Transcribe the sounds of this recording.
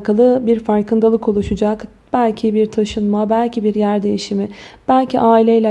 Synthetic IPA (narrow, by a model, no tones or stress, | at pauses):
kʰalˠɯbiɾfaɾkʰɯnd̪alˠɯkʰo̞lˠuʃud͡ʒak | b̥ælʲcʰibiɾt̪ʰaʃɯnmabælʲcʰibiɾjæɾd̪e̞jiʃimɪb̥ælʲcʰiʔaːilʲejlʲɛ